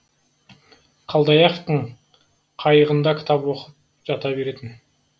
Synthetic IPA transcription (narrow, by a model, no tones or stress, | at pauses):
qʰɑlˠd̪ɑjɑqt̪əɴ | qʰɑjəʁənd̪ɑkʲʰɪ̥t̪ɑpwoqəp̚ | ʒɑt̪ɑbe̞ɾe̞t̪ɪn